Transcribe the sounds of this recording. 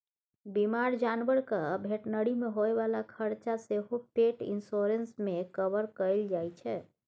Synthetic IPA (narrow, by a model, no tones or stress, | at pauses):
bimaɾd͡ʒanʋəɾkəbʱeʈnəɽimeɦoɛʋalakʰəɾt͡ʃaseɦopeʈḭnsoɾensmekəbəɾkəjld͡ʒajt͡ʃʰɛ